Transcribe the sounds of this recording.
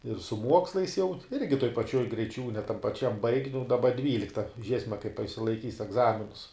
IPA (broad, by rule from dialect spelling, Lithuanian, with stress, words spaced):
ɪr sʊ ˈmuɔkslˠɐɪs jɛʊ ˈɪrʲɡʲɪ toːj pɐˈt͡ʃʲoːj ɡrʲɛɪˈt͡ʃʲuːnʲɛ tɐm pɐˈt͡ʃʲɛm bɐɪkʲ nʊ dɐˈbɐ ˈdʲʋʲiːlʲɪktɐ ˈʒʲiɛsʲmʲɛ kɐɪp ɐ ɪʃʲsʲɪlˠɐɪˈkʲiːs ɛɡˈzɑːmʲɪnʊs